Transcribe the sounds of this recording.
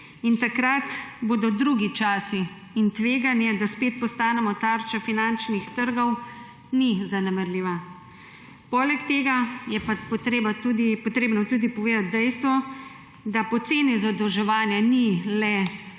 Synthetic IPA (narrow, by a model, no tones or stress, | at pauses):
int̪akɾat̪boːd̪ɔd̪ɾuɡit͡ʃaːsiː | nt̪ʋeːɡanjɛd̪aspeːt̪̚pɔst̪aːnɛmɔt̪aːɾt͡ʃafinant͡ʃnixt̪əɾɡɔw | nizanɛmɛɾliːʋa | pɔlɛkt̪eːɡajɛpapt̪ɾebaud̪ipɔt̪ɾeːbnɔt̪uːd̪ipɔʋeːd̪at̪̚d̪ɛjst̪ʋɔ | d̪apɔt̪seːnizad̪ɛwʒɛʋaːnjanilɛ